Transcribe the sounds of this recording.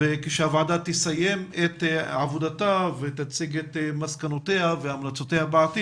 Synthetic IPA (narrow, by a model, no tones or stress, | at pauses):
ekeʃeavʕadat̪isajemetʕavod̪atavet̪at͡siɡet̪maskanot̪ehaveamlat͡sot̪ehabaʕat̪i